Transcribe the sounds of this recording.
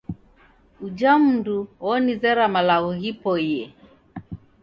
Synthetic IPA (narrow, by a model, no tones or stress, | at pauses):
ud͡ʒam̩duɔnizɛɾamalauɦipɔijɛ